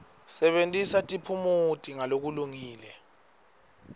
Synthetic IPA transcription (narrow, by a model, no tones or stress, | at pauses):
sɛɓentʼisatʼipʰumutʼiŋalok̬uluŋiːlɛ